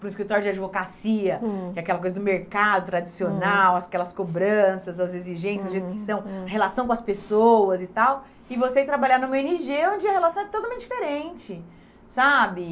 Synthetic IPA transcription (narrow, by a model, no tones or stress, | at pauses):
pɾũiskɾit̪ɔɾjʊd͡ʒɪad͡ʒivokasiɐɛakɛlɐk̬ojzɐd̪ʊmeɾkad̪ʊt̪ɾad͡ʒisionawɐkɛlɐskobɾɐ̃sɐzɐzeziʒẽsjɐzdʊʒejt̪ʊkɪsɐ̃w̃ɐhelasɐ̃w̃kõɐspesowɐzɪt̪aw | ɪvoset̪ɾabaʎanũmɐeniʒeõd͡ʒɪɐhelasɐ̃w̃ɛt̪ot̪awmẽnt͡ʃd͡ʒ̥ifeɾẽnt͡ʃɪ | sabɪ